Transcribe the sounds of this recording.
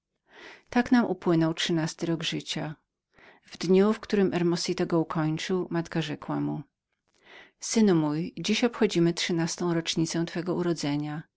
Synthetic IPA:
t̪aknamʔupwɘnɔwtʂɘnast̪ɘɾɔɡʐɘt͡ɕa | vd̪ɲufkt̪uɾɘmʔɛɾmɔsʲit̪aɡɔukʰɔɲt͡ʂɘwmat̪kaʐɛkwamu | sɘnumujd͡ʑiɕɔpxɔd͡ʑimɘtʂɘnast̪ɔ̃w̃ɾɔt͡ʂɲit̪sɛ̃w̃t̪fɛɡɔuɾɔd̪zɛɲa

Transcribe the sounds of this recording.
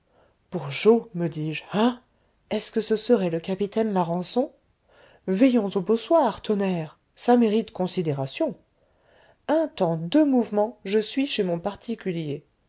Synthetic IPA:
b̥uʁʒoməd̪iʒa | ɛskəsəsəʁɛləkapit̪ɛnlaʁɑ̃sɔ̃ | vɛjɔ̃zoboswaʁt̪ɔnɛːʁ | sameʁit̪kɔ̃sid̪eʁasjɔ̃ | ɛ̃t̪ɑ̃d̪ømuvmɑ̃ʒəsɥiʃemɔ̃paʁt̪ʰikʲylje

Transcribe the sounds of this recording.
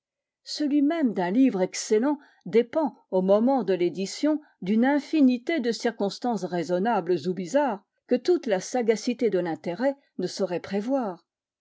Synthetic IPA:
səlɥimɛmd̪ɛ̃livʁɛksɛlɑ̃ | d̪epɑ̃ | omɔmɑ̃d̪əled̪isjɔ̃ | d̪ynɛ̃finit̪ed̪əsiʁkɔ̃st̪ɑ̃sʁezɔnablzubizaːʁ | kət̪ut̪lasaɡasit̪ed̪əlɛ̃t̪eʁɛ | nəsɔʁɛpχevwaːʁ

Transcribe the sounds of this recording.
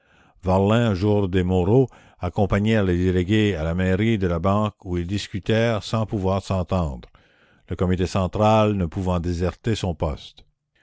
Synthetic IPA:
vaʁlɛ̃ʒuʁd̪emɔʁo | akɔ̃paɲɛʁled̪eleɡʲealameʁid̪əlabɑ̃ːkuild̪iskʲyt̪ɛːʁsɑ̃puvwaːʁsɑ̃t̪ɑ̃ːd̪ʁ | ləkɔmit̪esɑ̃t̪ʁalnəpuvɑ̃d̪ezɛʁt̪esɔ̃pɔ̰st̪

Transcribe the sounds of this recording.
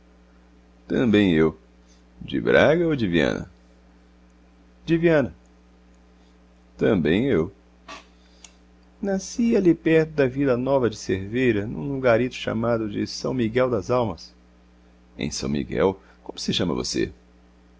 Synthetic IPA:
t̪ɐ̃bẽj̃ew | d͡ʒɪ̰bɾaɡɐod͡ʒɪviɐ̰̃nɐ̰ | d͡ʒɪviɐ̃nɐ | t̪ɐ̃bẽj̃ew | nasialipɛɾt̪ʊd̪ɐvilɐnɔvɐd͡ʒɪseɾvejɾɐnṵ̃luɡaɾit̪ʊ̥ʃa̰mad̪ʊd͡ʒɪ̰sɐ̃w̃miɡɛwd̪ɐzawmɐs | ḛ̃j̃sɐ̰̃w̃mḭɡɛ̰w | kõmʊ̥sɪʃɐ̃mɐ̰vo̰sḛ

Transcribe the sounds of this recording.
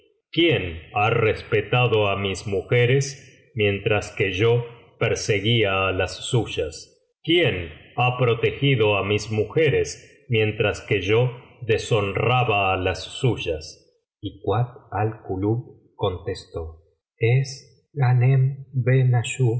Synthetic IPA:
kjenarespet̪aðo̞amismuxeɾes | mje̞nt̪ɾaskeʒo̞ | peɾse̞ɣiaːlasːuʒas | kjenapɾo̞t̪e̞xiðo̞amismuxeɾes | mje̞nt̪ɾaske̞ʒo̞ðesonraβaːlasːuʒas | ikwat̪̚alkuluβ | ko̞nt̪est̪o̞ | es | ɣanembenaʃu

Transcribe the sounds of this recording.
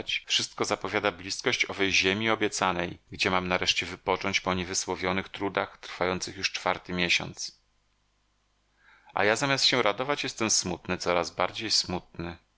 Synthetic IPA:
t͡ɕfʂɘst̪̚kɔzapɔvʲjad̪ablʲiskɔɕt͡ɕɔvɛjʑemʲiɔbʲjɛt̪sanɛjɡd͡ʑɛmamnaɾɛʂt͡ɕɛvɘpɔt͡ʂɔɲt͡ɕpɔɲɛvɘswɔvʲjɔnɘxt̪ɾud̪axt̪ɾfajɔnt̪sɘxjuʂt͡ʂfaɾt̪ɘmʲjeɕɔ̰nt̪s | ʔa̰jazamʲast̪ɕɛɾʔad̪ɔvat͡ɕjɛst̪ɛmsmut̪nɘt̪sɔɾazbaɾd͡ʑejsmut̪̚nɘ

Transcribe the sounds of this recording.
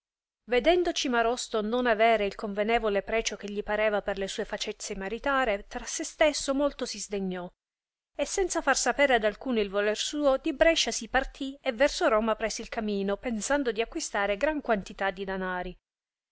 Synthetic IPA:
ved̪ɛnd̪ot͡ʃimaɾɔst̪ononavɛːɾeilkoɱvenɛːvolepɾɛːt͡ʃok̟eʎːipaɾɛːvaperlesuːefat͡ʃɛt̪sːemaɾit̪aːɾet̪ɾasːest̪esːomolt̪osizd̪eɲːɔ | esːɛnt̪safarsapɛːɾead̪alkuːnoilvolɛrsuːod̪ibɾɛʃːasipart̪ʰievːɛrsoɾɔːmapɾɛːseilkamiːnopensand̪od̪iakwist̪aːɾeɡɾaŋkwant̪it̪ad̪ːid̪anaːɾi

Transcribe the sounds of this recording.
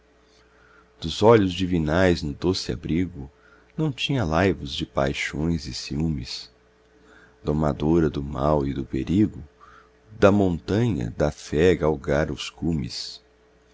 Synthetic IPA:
d̪̥ʊzɔʎʊzd͡ʒivinajznʊd̪osɪa̰bɾiɡʊ | nɐ̃w̃t͡ʃĩɲɐlajvʊzd͡ʒɪpa̰jʃõj̃zɪsiũmɪs | d̪oma̰d̪oɾɐd̪ʊmawɪd̪ʊpeɾiɡʊ | d̪ɐmõnt̪ɐ̃ɲɐ̰d̪ɐfɛɡawɡaɾʊskũmɪ̰s

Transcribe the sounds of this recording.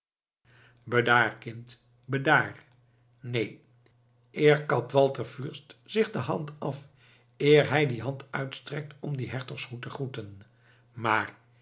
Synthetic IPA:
bədaːrkɪnt | bədaːr | nej | ɪːɹkɑtʋɑlˠtəɹfyɹstz̥ɪχdəɦɑntɑf | ɪːɹɦɛjdiɦɑntœɥtstrɛk̚tɔmdiɦɛɹtɔχshutəχrutən | maːɹ

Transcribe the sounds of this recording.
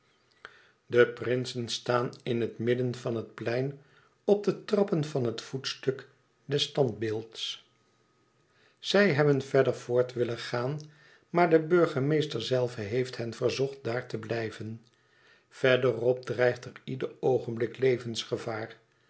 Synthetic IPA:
dəprɪnsənstaːnɪnɦətmɪdənvɑnɦət̚plɛjn | ɔb̚dətrɑpənvɑnɦətfutstɵk | dɛstɑnt̚bɪːlˠts | z̥ɛjɦɛbənvɛdəɹvʊːɹtʋɪləχaːn | maːɹdəbɵɹχəmejstəɹzɛlˠvəɦejftɦɛnvəɹzɔχt̚daːɹtəblɛjvən | v̥ɛɹdərɔb̚drɛjχtəridəɹowχənblɪklejvənsχəvaːr

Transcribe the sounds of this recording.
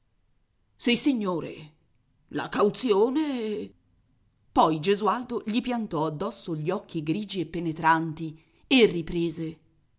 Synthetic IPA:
sisiɲːoːɾḛ | la̰kawt̪sjoːne | pɔjd͡ʒezuald̪oʎipjant̪ɔad̪ːɔsːoʎiɔkʰːiɡɾiːd͡ʒiepːenet̪ɾant̪i | erːipɾeːze

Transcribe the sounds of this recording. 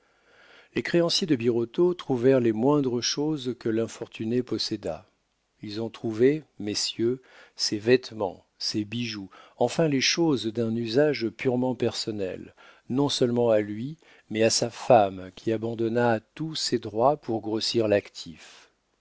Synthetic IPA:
lekχeɑ̃sjed̪əbiʁɔt̪ot̪χuvɛʁlemwɛ̃d̪ʁəʃozkəlɛ̃fɔʁt̪ʰynepɔsɛd̪a̰ | ilzɔ̃t̪χuvemesjø | sevɛt̪mɑ̰̃ | sebiʒuɑ̃fɛ̃leʃozd̪ɛ̃nyzaʒpyʁmɑ̃pɛʁsɔnɛ̰lnɔ̃sœlmɑ̃alɥi | mɛasafamkʲʰiabɑ̃d̪ɔnaːt̪used̪ʁwapʰuʁɡʁosiʁlakt̪ʰif

